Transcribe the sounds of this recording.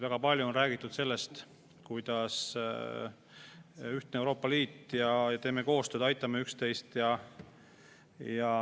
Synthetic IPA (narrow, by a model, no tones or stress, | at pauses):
væɡ̥ɑpɑlʲjuo̞nræːɡ̥it̪ːˑud̪̥se̞lːe̞st̪ | kujd̪̥ɑs | yht̪neewɾo̞ːpːˑɑliːt̪ˑjɑjɑt̪e̞ːme̞ko̞ːst̪øːd̪ɑjt̪ˑːɑmːeykst̪e̞jst̪jɑ | jɑ